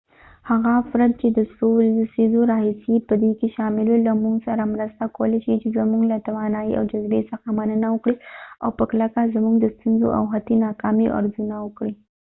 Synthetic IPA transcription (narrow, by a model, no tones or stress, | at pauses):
haɣafɾat̪̚t͡ʃed̪əsold̪əsizoɾɑhisipəd̪ekeʃɑmɪlwolamuŋɡsaɾamɾəst̪akawəleʃit͡ʃezamuɡlat̪awɑnɑiʔa̰wd͡ʒazbḛsəxamanənawəkɽia̰wpəklakazamuɡd̪əst̪unzo̰ʔa̰wɦat̪inɑkɑmiʔa̰ɾzunawəkɽi